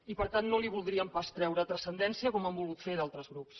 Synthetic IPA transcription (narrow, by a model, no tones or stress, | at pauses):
ipəɾt̪anːoliβulˠd̪ɾiəmpast̪ɾɛwɾət̪ɾəsənd̪ɛnsiəkɔmambulˠɣut̪feðalˠt̪ɾəzɣɾups